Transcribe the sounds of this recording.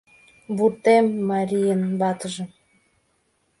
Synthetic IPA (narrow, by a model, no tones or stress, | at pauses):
burt̪emːɑɾʲijənβɑt̪ə̆ʒə̆m